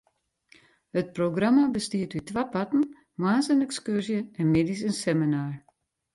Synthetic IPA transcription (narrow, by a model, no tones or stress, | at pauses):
hət̚proɡramabəstiətytʋapatn̩ | mwaːnsənɛkskørsjəɛnmedisənsɛminaːr